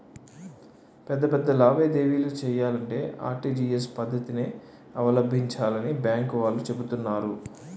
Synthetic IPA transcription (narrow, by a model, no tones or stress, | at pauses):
pɛd̪ːɐpɛd̪ːɐlaːʋeːd̪e̞ːʋiːloːt͡ʃɛːjaːlɐɳʈe̞̰ːʔa̰ːɾʈiːd͡ʒiːespɐd̪ʱːɐt̪ine | ɐʋɐlɐbʱiɲt͡ʃaːlɐnibjaːŋkʋaːlːut͡ʃe̞but̪unːaːɾu